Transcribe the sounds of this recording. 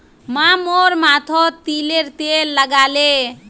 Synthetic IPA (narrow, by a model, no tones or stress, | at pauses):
mamoɾmat̪ʰot̪ileɾt̪elːəɡale